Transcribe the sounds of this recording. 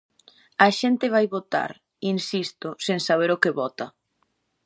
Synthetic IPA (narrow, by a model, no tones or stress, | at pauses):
ɐʃɛnt̪ɪβ̞ajβot̪a̰ɾ | insist̪oseŋsaβ̞eɾokɪβɔt̪ɐ